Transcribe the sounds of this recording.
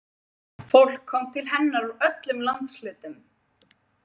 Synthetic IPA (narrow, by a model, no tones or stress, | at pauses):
fowl̥kʰːɔmt̪ʰɪlɦɛnːaɾuœt̪lʏmlant̪slʏːt̪ʏm